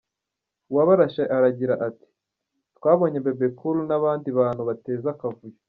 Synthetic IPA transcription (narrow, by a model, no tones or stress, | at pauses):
waβaɾaʃaʔaɾaɟiɾaʔati̥ | twaːβo̞ɲe̞be̞bekulunaβaːndiβaːn̥huβate̞ːzakavuje